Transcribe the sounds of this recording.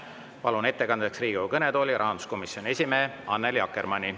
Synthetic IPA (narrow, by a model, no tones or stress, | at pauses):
pɑlune̞t̪ːe̞kɑnd̪eksriːɡiukɤned̪o̞ːlʲiɾɑɦɑnd̪u̥sko̞misjo̞nʲie̞sʲimeːɑnːeljɑkːˑermɑnʲi